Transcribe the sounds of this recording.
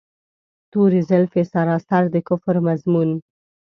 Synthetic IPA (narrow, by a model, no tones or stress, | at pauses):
t̪uɾizɪlfesɑɾɑst̪aɾd̪əkʊfɾmazmun